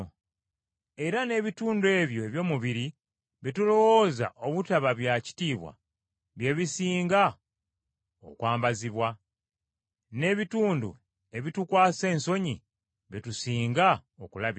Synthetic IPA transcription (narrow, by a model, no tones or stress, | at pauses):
e̞ɾane̞ːβituːndue̞ːβjo̞eβjo̞ːmuβiɾi | βitulo̞wo̞ːza̰ʔo̞βutaβaβjaci̥tiːβwa̰ | βje̞βisiːŋɡa | o̰kwaːmbaziβwa | ne̞βituːndṵ | e̞βitukwaːse̞ːnso̞ɲi | βitusiːŋɡaokulaβ